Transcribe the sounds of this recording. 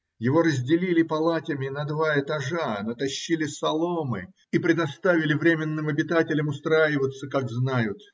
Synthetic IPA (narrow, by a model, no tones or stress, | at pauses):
jɪvo̞ɾəzʲdʲɪlʲilʲɪpɐlˠatʲɪmʲɪnɐd̪vaɪt̪ɐʐanət̪ɐɕːilʲɪsɐlˠo̞mɨ̰ | ipɾʲɪd̪ɐst̪avʲɪlʲɪvɾʲemʲɪnːɨmɐbʲɪt̪atʲɪlʲəmʊst̪ɾajɪvət̪sːəkaɡznajʊt̪